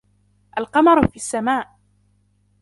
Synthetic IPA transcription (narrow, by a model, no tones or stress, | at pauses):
ʔalqɑmɑɾˤfiːasːamaːʔ